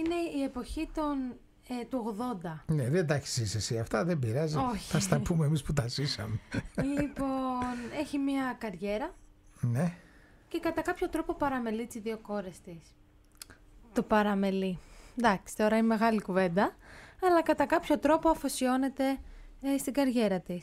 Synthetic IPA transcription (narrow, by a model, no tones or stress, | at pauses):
ine̞ie̞po̞çit̪on | t̪uo̞ɣðo̞nd̪ɐneðend̪ɐçi̥sisesiɐft̪ɐðembiɾɐzioçiθɐst̪ɐpumeːmisput̪ɐsisɐmelipo̞ne̞çimɲɐkɐɾʝe̞ɾɐ | ne | ce̞kɐt̪ɐkɐpço̞t̪ɾo̞po̞pɐɾɐme̞lit̪izðio̞xo̞ɾe̞st̪is | t̪opɐɾɐme̞lid̪ɐksi̥t̪o̞ɾɐineme̞ɣɐlikuve̞nd̪ɐɐlɐkɐt̪ɐkɐpço̞t̪ɾo̞po̞ɐfosio̞ne̞t̪e̞st̪iɡɐɾʝe̞ɾɐt̪is